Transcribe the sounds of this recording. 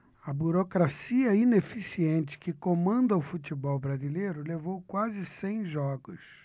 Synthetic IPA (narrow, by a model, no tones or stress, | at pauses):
ɐbuɾokɾasiɐinefisiẽnt͡ʃɪ̥kɪkomɐ̃nd̪ɐʊfutibɔwbɾazilejɾʊlevowkwazɪsẽj̃ʒɔɡʊs